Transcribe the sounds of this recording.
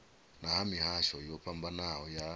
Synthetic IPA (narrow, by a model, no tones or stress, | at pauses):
nahamihaʃɔjɔpʰambanahɔja